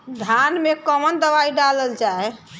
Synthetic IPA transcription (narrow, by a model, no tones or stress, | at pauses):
d̪ʱanmekəmənd̪əbaiɖaləld͡ʒaɦɛ